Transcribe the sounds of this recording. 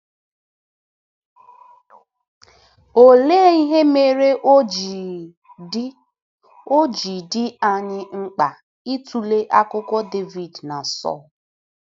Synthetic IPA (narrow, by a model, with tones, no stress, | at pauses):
o˨leː˦i˦ɦe˦me˦ɾe˦ʔ | o˦d͡ʒi˨dɪ˦a˨ɲɪ˦ŋ͡m̩˦k͡pa˨ | i˦tu˨le˦ʔa˦kʊ˦kʷɔ˦de˦vi˨dna˨sɔ̰˦˨l